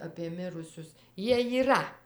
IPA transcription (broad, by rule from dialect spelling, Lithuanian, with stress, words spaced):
ɐpʲiɛ ˈmʲɪrʊsʲʊs ˈjiɛ jiːˈrɐ